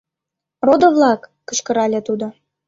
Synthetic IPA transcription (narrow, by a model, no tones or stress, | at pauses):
rod̪ŏβlˠɑkːə̆t͡ɕkɤ̆ɾɑlʲet̪ud̪o